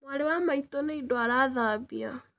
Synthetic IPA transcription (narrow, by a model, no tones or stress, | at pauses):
mwaɾewamaitɔneidoaɾaðaβia̰